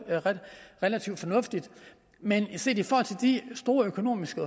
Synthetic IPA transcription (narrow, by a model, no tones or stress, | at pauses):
ʁelæt͡sʰiʊ̰d̥fɒ̽nɔ̽fd̥id̥ | menise̝ɐ̰̥ifɒɔːhɒ̽l̰t͡sʰe̝ld̥isd̥o̝ːɐøkʰo̝no̝̰ːmisɡ̥ə